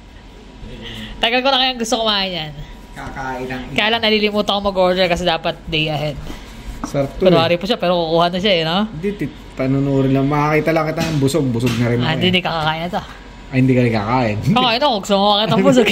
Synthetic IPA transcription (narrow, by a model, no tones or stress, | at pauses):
t̪ɐɡɐlkonɐkɐjaŋɡʊst̪okomɐʔajan | kakaːʔɪnɐŋkɐjaːlaɐŋnɐliːlɪmuːt̪ɐkomɐɡʔoɹd̪ɛɹkɐsɛd̪aːpɐt̪̚d̪ejʔɐhɛd̪̚ | sɛɾt̪ɛɾohaːɾipuʃapɛːɾokukuːhɐnoʃaɛnond̪it̪i | t̪ɐnʊnoɾɪnlɐŋmɐakiːt̪ɐlɐŋkɪt̪anɐŋbʊsoɡ̚bʊsoɡ̚nɐɾɪnaɪ̃d̪ɪnd̪ikɐkakaːʔɪnɐt̪ɐ | ɐhɪnd̪iːkɐɾɪkakaːʔɪnʔokoʔɐnokoɡʊst̪oŋowakɐt̪ɐbʊs̬oɡ